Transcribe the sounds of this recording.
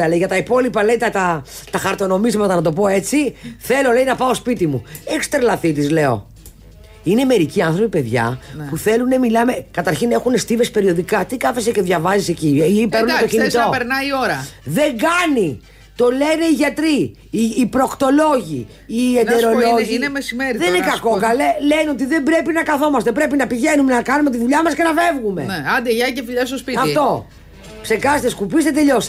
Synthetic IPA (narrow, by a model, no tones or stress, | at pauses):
ɐlejʝɐt̪ɐipo̞lipɐle̞jt̪ɐt̪ɐt̪ɐxɐɾt̪o̞no̞mizmɐt̪ɐnɐt̪o̞po̞e̞t͡siθe̞lo̞le̞inɐpɐo̞spit̪imuekst̪eɾlɐθit̪izle̞o̞̰ | ine̞me̞ɾiciɐnθɾo̞pipe̞ðʝɐ̰puθe̞lune̞milɐme̞kɐt̪ɐɾçine̞xune̞st̪ive̞spe̞ɾio̞ðikɐt̪ikɐfe̞sece̞ðʝɐvɐzise̞cipeɾnuntoçinit̪opeɾnɐio̞ɾɐðe̞ŋɡɐni | t̪o̞le̞ne̞iʝɐt̪ɾiː | pɾo̞kt̪o̞lo̞ʝḭ | ied̪eɾo̞loʝinemesimeɾiðeinekɐkokɐleleneo̞t̪̬iðe̞mbɾe̞pinɐkɐθo̞mɐst̪epɾe̞pinɐpiʝe̞nume̞nɐkɐnume̞t̪iðuʎɐmɐsce̞nɐfe̞vɣume̞̰neɐnd̪eʝɐcefiʎɐst̪ospitɐft̪o̞ | pse̞kɐst̪eskupist̪et̪e̞ʎo̞s